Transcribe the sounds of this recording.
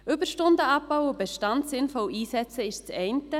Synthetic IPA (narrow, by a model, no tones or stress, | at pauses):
ʏbəʃtʊndəɑp̚ːaʊʊbeʃtɑntsɪnfɔlʔiːsɛt͡səɪʃt͡sɛɪntə